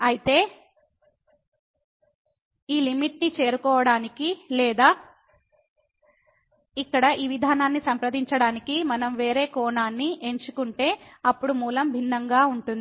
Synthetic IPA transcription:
ɐjit̪e̞ː | iːlimiʈnit͡ʃe̞ːɾukɔːʋɐɽaːnikilɛːd̪aː | ikːɐɽɐʔiːʋid̪ʱaːnaːnːisɐmpɾɐd̪ʱiɲt͡ʃɐɽaːnikimɐnɐmʋe̞ːɾe̞ːkɔːɳaːnːie̞ɲt͡ʃukuɳʈe̞ːɐpːuɽumuːlɐmbʱinːɐŋɡaːuɳʈund̪ii

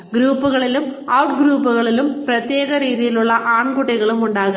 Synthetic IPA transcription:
ɡɾuːpːuɣɐɭilumɐwʈɡɾuːpːuɣɐɭilumprɐt̪je̞ːɣɐɾiːðijiluɭːɐʔaːɳkuʈːiɣɐɭumuɳɖaːɣɐ

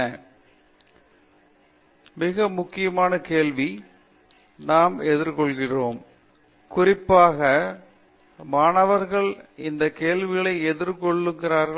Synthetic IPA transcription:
ɐ | mɪɣɐmʊkːɪjɐmaːnɐkeːlʋi | naːmɛðɪɾkɔɭɣɪroːm | kʊrɪpːaːɣɐ | maːnɐʋɐɾɣɐɭɪnd̪ɐkeːlʋɪɣɐɭɐɪɛðɪɾkɔɭːɯŋɡɪraːɾɣɐ

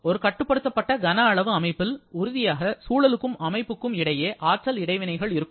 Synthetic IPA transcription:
ɔɾɯkɐʈːɯpːɐɽɯt̪ːɐpːɐʈːɐɡɐnaɐɭɐʋɯɐmɐɪpːɪlʊɾʊðɪjaːɣɐsuːɭɐlɯkːɯmɐmɐɪpːɯkːɯmɪɽɐjeːʔaːʈ̚ʈrɐlɪɽɐɪʋɪnɐɪɣɐɭɪɾɯkːɯ

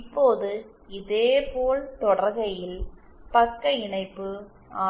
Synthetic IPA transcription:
ɪpːoːðɯ | ɪðeːpoːlt̪ɔɽɐɾɣɐjɪlpɐkːɐɪɳɐɪpːɯ | aː

